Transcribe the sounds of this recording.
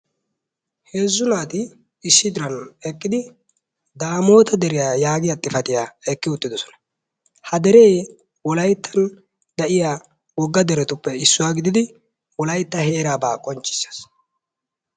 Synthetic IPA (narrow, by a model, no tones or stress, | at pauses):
he̞ːzːʊnaːt̪ɪː | sːɪd̪ɪɾɐnɛkʼːɪd̪ɪ | d̪aːmo̞ːt̪ɐd̪ɛɾɪjajaːɡɪjat̪ʼːɪfɐt̪ɪjaːɛkːɪʊt̪ːɪd̪ɔsɔ̥nɐ̥ | hɐd̪ɛɾej | wɔlɐjt̪ʰːɐn | d̪ɐʔɪjaː | wɔɡːɐd̪ɛɾɛt̪ʊpːɛɪsːʊwaːɡɪd̪ɪd̪ɪ | wɔlɐjt̪ːɐhe̞ːɾaːba̰ːkʼɔnt͡ʃʼːɪ̥sːɐ̥s